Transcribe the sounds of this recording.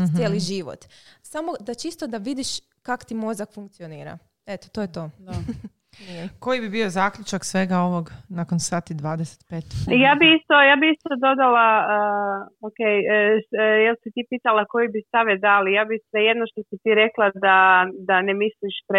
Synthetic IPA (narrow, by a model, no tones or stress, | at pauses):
jeliʒiʋo̰t̪samo̞d̪at͡ʃist̪od̪aʋid̪iʃ | kako̥t̪imo̞zakfuŋk̚t̪sioniːɾa̰ | et̪o̥t̪ojet̪o̞ːd̪ | ko̞jibibio̞zaːkʎʲut͡ʃaksʋe̞ɡao̞ʋo̞ɡnakonsaːt̪id̪ʋaːd̪ese̥t̪pet̪jaːbiist̪ojaːbiist̪od̪o̞d̪alaəokej | jelsit̪ipiːt̪alako̞jibist̪aʋjed̪alijaːbisʋejed̪noʃt̪osit̪iɾeklad̪ad̪anemisliʃpɾe